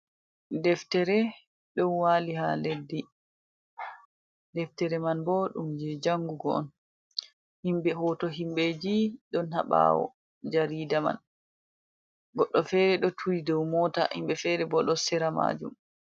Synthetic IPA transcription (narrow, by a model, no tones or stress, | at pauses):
dɛftɛɾɛ | ɗɔnwaːliɦaledːi | dɛftɛɾɛmanbɔɗumd͡ʒɛd͡ʒaŋɡuɡɔɔ̰n | himbɛɦɔtɔɦimbɛd͡ʒiɗɔnha̰ɓa̰wɔ̰ | d͡ʒaɾiːdama̰n | ɡɔɗːɔfɛɾɛɗɔtʰuɾidɔwmɔta̰himbɛfɛɾɛbɔɗɔsɛɾama̰ːd͡ʒṵm